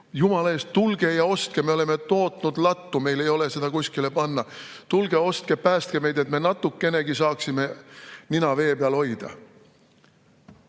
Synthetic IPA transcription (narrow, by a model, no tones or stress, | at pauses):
jumɑlɑe̞ːst̪t̪ːulɡ̥e̞jɑo̞st̪̚kemeo̞le̞me̞t̪o̞ːt̪ˑnud̪̥lɑt̪ːume̞jle̞jo̞lese̞d̪̥ɑkusʲkile̞pɑnːɑ | t̪ulɡ̥e̞o̞st̪̚kepæːst̪keme̞jd̪e̞t̪menɑt̪ːˑukːˑe̞ne̞ɡisɑːksime̞ninɑve̞ːpeɑlho̞jd̪̥ɑ̰